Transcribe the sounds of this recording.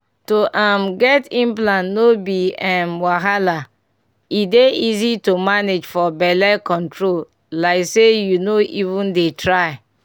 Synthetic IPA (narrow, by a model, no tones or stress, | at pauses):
toʔamɡɛtĩnp̬lãnnobiãnwaɦala | ideizitomaned͡ʒfɔbɛlɛkɔ̃ntɹol | laɪksejunoʔivũndetɾaɪ